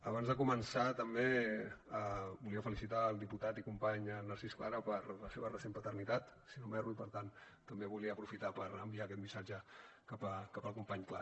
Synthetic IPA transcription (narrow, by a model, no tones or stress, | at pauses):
əβanzðəkumənsat̪əmbeəbuliəfəlisit̪aːlˠd̪iput̪at̪ikumpaɲənəɾsisklaɾəpəɾləseβərəsempət̪ərnit̪at̪ | sinomɛruipəɾt̪an | t̪əmbeβuliəːpɾufit̪apəɾəmbiakɛt̪misad͡ʒə | kapəkapəlˠkumpaɲkla̰